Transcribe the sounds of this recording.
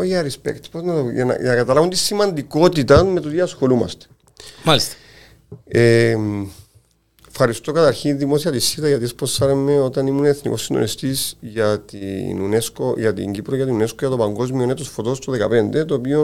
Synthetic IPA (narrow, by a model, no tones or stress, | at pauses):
ojɐɾispḛkt̪poznɐt̪oɐnɐ̰jɐ̰nɐkɐt̪ɐlavunt̪isːimɐnd̪iko̞t̪it̪ɐmet̪ot̪iɐsxo̞lumɐ̰st̪e̥ | malist̪ɐ̥ | e | efxɐɾist̪o̞kɐt̪ɐɾçinðimosiɐt̪isːit̪ɐʝɐt̪iesposːɐɾemːeo̞t̪ɐnimuneːθnḭko̞sːind̪o̰nist̪isʝɐt̪inunesko̞jɐt̪ḭɲɟipɾoʝɐt̪inune̞skojɐt̪opɐŋɡo̞zmionet̪osfot̪o̞st̪oðekɐ̰pe̞nd̪e̞t̪oːpio